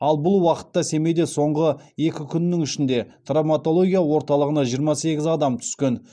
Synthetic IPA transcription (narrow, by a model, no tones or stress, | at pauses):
ɑlˠbʊlˠwɑqə̥t̪ːɑse̞me̞d̪e̞so̞ɴʁəe̞kʲɪkʲʰʏnːɪŋʏʃɪnd̪e̞t̪ramat̪o̞lˠo̞ɡʲijawo̞ɾt̪ɑlˠəʁənɑʒijəɾmɑse̞ɡʲɪzɑd̪ɑmt̪ʰʏ̥skʲe̞n